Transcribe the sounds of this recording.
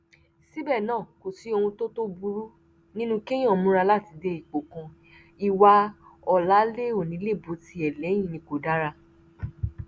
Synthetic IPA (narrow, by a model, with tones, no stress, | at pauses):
si˦bɛ˦˨nãː˦˨ko˨si˨˧˦o˧hũ˧to˦to˦bu˧ɾu˦ | nĩ˦nũ˦kẽ˦ɔ̃˦˨mũ˦ɾa˧la˦˨ti˧de˧˦i˨k͡po˨kã˧ | i˧wa˧ɔ˧la˦le˦o˦˨nĩ˨˦le˦˨bo˨˦ti˧˦ɛ˨lɛ˨˦j̃ĩ˦˨nĩ˧ko˨da˦ɾa˧